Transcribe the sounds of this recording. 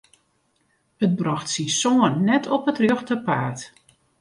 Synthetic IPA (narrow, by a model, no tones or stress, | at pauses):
ət̚brɔxtsinsoənːɛtʰɔpətrjøxtəpaːt